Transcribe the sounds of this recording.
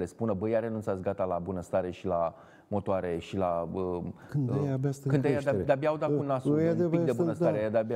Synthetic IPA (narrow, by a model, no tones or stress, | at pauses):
lespunəbəjaɾe̞nunsasɡat̪alabunəst̪aɾe̞ʃila | mo̞t̪oaɾe̞ʃilaəkɨnd̪ejabaskɨnd̪ejad̪ad̪abjawd̪akunasueid̪ebuəsaɾed̪aba